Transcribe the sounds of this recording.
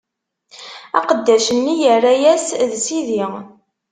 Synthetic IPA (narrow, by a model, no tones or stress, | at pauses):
æ̰qəd̪ːæʃənːijərːajæsðsiði